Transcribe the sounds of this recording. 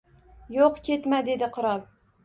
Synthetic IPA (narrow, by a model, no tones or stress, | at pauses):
joqkʲʰe̞t̪mad̪e̞d̪ɪqʰʊɾɒb